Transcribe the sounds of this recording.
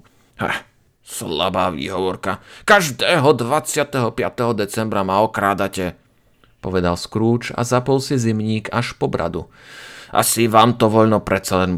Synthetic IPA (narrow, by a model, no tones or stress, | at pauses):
hɛ̰ | sla̰baːʋḭːɦɔʋɔɾkakaʒd̪ɛːɦɔd̪ʋat͡sɪat̪ɛɦɔpɪa̰t̪ɛɦɔd̪ɛt͡sɛmbɾamaɔkɾaːd̪acɛ | pɔʋɛd̪alskɾuːt͡ʃa̰zapɔlsizimɲiːkaʃpɔbɾa̰d̪ṵ | ʔa̰siʋaːmt̪ɔʋɔʎnɔpɾɛt̪t͡salɛn